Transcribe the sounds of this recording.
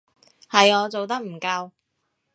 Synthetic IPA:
hɐ˨jɔː˨˧t͡so˨wt̪ɐ˥k̚m̩˨˩kɐ˧w

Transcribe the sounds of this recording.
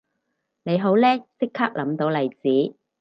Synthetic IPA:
ne˨˧jɦo˨˥wlɛː˥sɪ˥kʰːaː˥k̚lɐ˨˥mt̪o˨˥wlɐ˨jt͡siː˨˥

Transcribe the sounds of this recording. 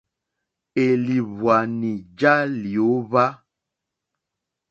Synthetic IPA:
e˨li˨βwa˨ni˨d͡ʒa˦li˨o˨˦βa˦

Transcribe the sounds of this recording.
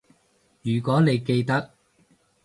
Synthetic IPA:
jyː˨˩kʷɔː˨˥ne˨˧jke˧jt̪ɐ˥k̚

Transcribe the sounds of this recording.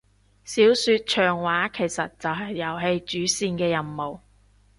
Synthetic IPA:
siː˨˥wsyː˧t̚t͡ʃʰœː˨˩ŋwaː˨˥kʰe˨˩jsɐ˨t̚t͡sɐ˨wɦɐ˨jːɐ˨˩wɦe˧jt͡ʃyː˨˥siː˧nkɛː˧jɐ˨nmo˨˩w

